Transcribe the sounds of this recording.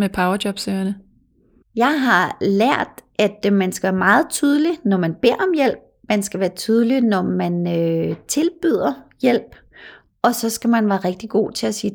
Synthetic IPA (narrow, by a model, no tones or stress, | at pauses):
mepʰɑ̈ʊɐd̥jɒ̽b̥søːɐnə | jɑ̈ɪɦɑ̈læɐ̰d̥æd̥mænsɡ̥æʋæːɐmɑ̈ːð̩ˠt͡sʰyːð̞ˠəlinɒmænb̥e̝ɐ̰ɒ̽mjel̰b̥̚mænsɡ̥æʋæːɐt͡sʰyːð̞ˠəlinɒmænøt͡sʰe̝lb̥yð̞̰ˠɐjel̰b̥ | ɒ̽sɒ̽sɡ̥æmænʋæːɐʁeɡ̥̚d̥iɡ̥o̝̰ːt͡sʰe̝æsiː